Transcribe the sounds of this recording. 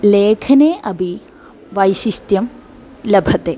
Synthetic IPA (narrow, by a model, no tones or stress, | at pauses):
leːkʰɐneʔɐbʱi | ʋɐjɕist̪jɐm | lɐbʱɐt̪ːe